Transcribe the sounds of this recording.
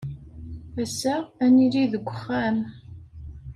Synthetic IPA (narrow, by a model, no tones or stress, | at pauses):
æsææniliðəɡʷːəχːæm